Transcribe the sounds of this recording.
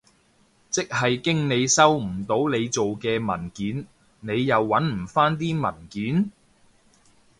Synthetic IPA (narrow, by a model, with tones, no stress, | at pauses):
t͡sɪ˥k̚hɐ˨jkɪ˥ŋne˨˧jsɐ˥wm̩˨˩t̪o˨˥wne˨˧jt͡so˨wkɛː˧mɐ̰˨˩nkiː˨˥n | ne˨˧jjɐ˨wːɐ˨˥nm̩˨˩faː˥nt̪̬iː˥mɐ˨˩nkiː˨˥n